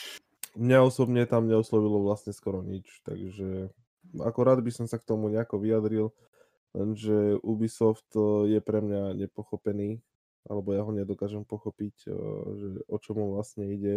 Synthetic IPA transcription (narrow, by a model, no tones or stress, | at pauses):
mɲaɔsɔbɲɛt̪amɲɛɔslɔʋilɔʋlasɲɛskɔɾɔɲit͡ʃt̪a̰ɡʒɛ | a̰kɔɾaːd̪bisɔmsakt̪ɔmuɲɛakɔʋijad̪ɾil | lɛ̰nʒɛʔubisɔft̪jɛpɾɛmɲaɲɛpɔxɔpɛniː | ʔa̰lɛbɔjaɦɔɲɛd̪ɔkaːʒɛmpɔxɔpicʒɛɔt͡ʃɔmuʋlasɲɛiɟɛ